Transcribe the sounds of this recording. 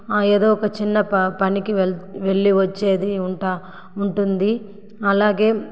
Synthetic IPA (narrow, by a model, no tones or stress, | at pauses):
eːd̪oːɔkɐt͡ʃinːɐpɐnikiʋe̞ɭːiʋɐt͡ʃːe̞ːd̪iuɳʈaː | uɳʈund̪i | ɐlaːɡe̞ː